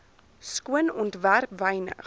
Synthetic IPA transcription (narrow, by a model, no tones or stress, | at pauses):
skuənɔntværpvɛjnə̰